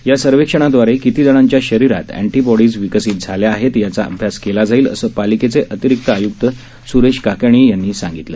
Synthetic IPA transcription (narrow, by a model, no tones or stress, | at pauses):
jasəɾʋekʂəɳ̃ad̪ʋaɾekit̪iːd͡zəɳ̃ãɲt͡ɕjaɕəɾiɾa̰t̪æ̰ɳʈibɔɽiːd͡zʋikəsiːt̪̚d͡zʱaljaːɦet̪jat͡saə̰bʱjaskelad͡zaiːlə̰səːpaliket͡seʔət̪iɾik̚t̪əajuk̚t̪ə | suɾeɕkakəɳ̃iːjanːiːsãŋɡit̪lə̰ː